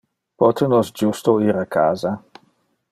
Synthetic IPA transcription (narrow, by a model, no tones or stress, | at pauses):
pɔt̪ənosd͡ʒust̪oiːɾakʰaːza